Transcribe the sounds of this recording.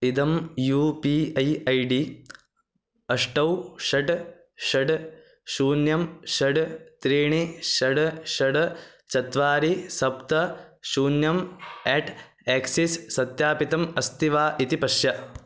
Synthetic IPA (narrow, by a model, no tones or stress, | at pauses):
id̪ɐmjuːpiːɐjɐjɖi | ɐʂʈɐwʃɐɖ | ʃɐɖ | ʃuːnjɐmʃɐɖt̪ɾiːɳiʃɐɖʃɐɖ | t͡ʃɐt̪ʋaːɾisɐp̚t̪ɐʃuːnjɐmeːʈ | eːksisːɐt̪jaːpit̪ɐmɐst̪iʋaːʔit̪ipɐʃjɐ